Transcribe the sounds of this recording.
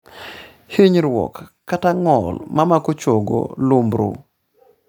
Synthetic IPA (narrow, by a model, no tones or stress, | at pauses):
hiɲɾwɔ̰kː | ataŋɔlmamakot͡ʃoɡo̰lumbɾṵ